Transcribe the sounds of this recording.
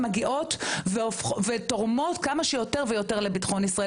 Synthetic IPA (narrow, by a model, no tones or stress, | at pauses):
maɡiʔo̞tveofχvetoʁmo̞tkamaʃejo̞te̞ʁvejo̞te̞ʁlebitχo̞nisʁa